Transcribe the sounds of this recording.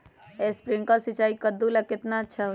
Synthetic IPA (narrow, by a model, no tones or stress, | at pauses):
espɾɪ̃ŋkasɪt͡ʃaːikəd̪ːulakɪt̪naətːʃʰaɦ